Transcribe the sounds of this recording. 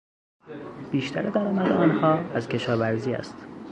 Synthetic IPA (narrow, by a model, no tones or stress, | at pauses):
b̥iːʃt̪ʰæɾed̪æɾɒːmæd̪eɒːnhɒːæzcʰe̞ʃɒːvæɾziːæ̰st̪